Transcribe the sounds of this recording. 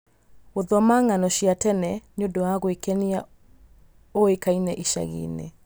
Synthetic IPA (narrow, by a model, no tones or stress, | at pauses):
ɣoðɔmaŋanɔɕijatɛnɛneodowaɣoekɛnia | oekainɛʔiʃa̰ɣḛːnḛ